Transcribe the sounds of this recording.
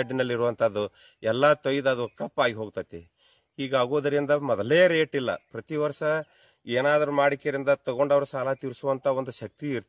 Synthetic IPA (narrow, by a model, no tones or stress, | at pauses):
ɖinɐlːiɾuʋɐnt̪ʰaːd̪ːu | ɛlːat̪ojd̪ɐd̪uʋkɐpːaːɡiɦo̞ːɡt̪at̪ːe | hiːɡaːɡoːd̪ɐɾind̪ɐmɔd̪ɐleːɐɾe̞ːʈilːɐ̰pɾɐt̪iʋɐɾʂɐ | eːnaːd̪ɐɾumaːɽikːeɐɾind̪ɐt̪ɐɡo̞ɳɖɐʋɐɾusaːlɐt̪iɾusuʋɐnt̪ʰɐo̞nd̪uʃɐk̚t̪iːɾt̪